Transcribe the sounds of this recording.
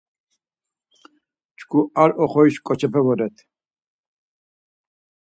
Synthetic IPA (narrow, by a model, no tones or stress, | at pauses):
t͡ʃkʰuaɾɔχɔiʃkʼɔt͡ʃʰɛpʰɛvɔɾɛt̪ʰ